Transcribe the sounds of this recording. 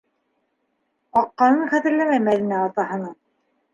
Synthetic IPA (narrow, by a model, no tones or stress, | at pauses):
qɑqːɑnɤɴχæðɘ̆ɾlæmæmælɘ̆næɑt̪ɑɦɤ̆nɤɴ